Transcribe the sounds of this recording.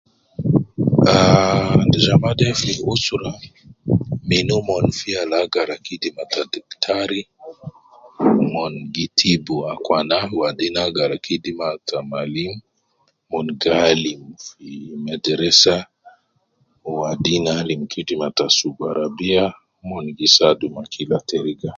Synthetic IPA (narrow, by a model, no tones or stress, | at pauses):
andɛʒamadɛfniusuɾa | minumɔnfialaɡaɾakidimatadiktʰaɾi | mɔnɡitʰibuakwanawadinaɡaɾakʰidimatʰamalimː | ɔnɡalimfimɛdɛɾɛsa | wadinalimkʰidimatasuɡaɾabia | mɔnɡisadumakʰilatɛɾiɡa